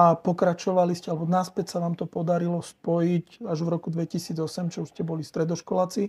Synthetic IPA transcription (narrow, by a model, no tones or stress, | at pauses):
apɔkɾat͡ʃɔʋaliscɛalɛbɔnaspɛcsaʋaːmt̪ɔpɔd̪aɾilɔspɔjicaʒvɾɔkud̪ʋɛcisiːd͡zɔsɛmt͡ʃɔuʃscɛbɔlist̪ɾɛd̪ɔʃkɔlat͡si